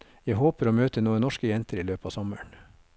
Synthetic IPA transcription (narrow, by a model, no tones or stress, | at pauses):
jæhoːpəɾoːmøːt̪ənuːənɔʃkəjɛnt̪əɾiːløːpɑːʋsɔməɳ